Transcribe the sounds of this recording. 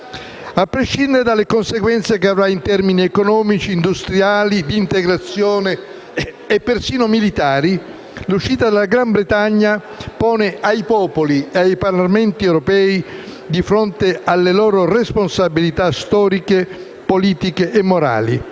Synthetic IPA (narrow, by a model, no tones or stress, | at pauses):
apːɾeʃind̪eɾed̪alːekonseɡwɛnt̪sekeavɾaint̪ɛrminiekonɔːmit͡ʃiːnd̪ust̪ɾjaːlid̪iːnt̪eɡɾat̪sːjɔːne | epːersiːnomilit̪aːɾi | luʃːiːt̪ad̪elaɡɾambɾet̪aɲːa | pɔːneʔajpɔːpolieajparlamɛnt̪iɛwɾopɛːi | d̪ifɾont̪ealːelɔːɾoresponsabilit̪ast̪ɔːɾike | poliːt̪ikeʔemːoɾa̰ːli